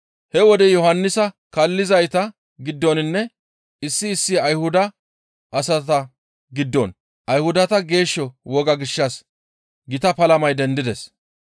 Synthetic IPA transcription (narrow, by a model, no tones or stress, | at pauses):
hɛwɔd̪ɛjɔhɐnːɪsɐ | kɐlːɪzɐjt̪ɐ | ɡɪd̪ːɔnɪnːɛ | ɪsːɪːsːɪɐjhʊd̪ɐ | ʔɐsɐt̪ɐ | ɡɪd̪ːɔn | ʔɐjhʊd̪ɐt̪ɐɡe̞ːʃːɔwɔɡɐɡɪʃːɐs | ɡɪt̪ɐpɐlɐmɐjd̪ɛnd̪ɪd̪ɛs